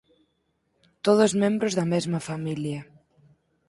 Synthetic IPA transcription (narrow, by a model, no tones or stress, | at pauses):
t̪oð̞ʊzmẽmbɾʊzðɐmezmɐfamiljɐ